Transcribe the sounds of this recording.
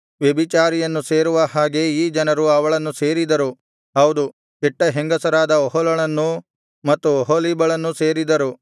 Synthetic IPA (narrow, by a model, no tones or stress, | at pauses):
ʋjebit͡ʃaːɾijɐnːuseːɾuʋɐhaːɡe̞iːd͡ʒɐnɐɾuɐʋɐɭɐnːuse̞ːɾid̪ɐɾu | ɦɐwud̪u | kiʈːɐɦeŋɡɐsɐɾaːd̪ɐɔɦɔlɐɭɐnːu | mɐt̪ːuɔɦolibɐɭɐnːuse̞ːɾid̪ɐɾu